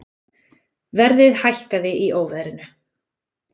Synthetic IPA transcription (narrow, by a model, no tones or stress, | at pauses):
vɛɾðɪðhajl̥kaðɪʔiʔoːwvɛðɾɪnʏ